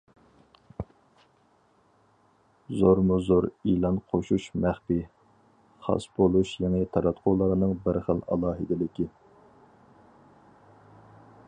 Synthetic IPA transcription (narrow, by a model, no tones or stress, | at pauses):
zoɾmuzoɾilˠɑnqʰoʃuʃmæχpi | χɑ̰sbolˠuʃjɛŋɪt̪ʰɑɾɑt̪qʰʊlˠɑɾɨnɨŋbəɾχəlˠɑ̰lˠɑːɦɨd̪ɪlɪkʲi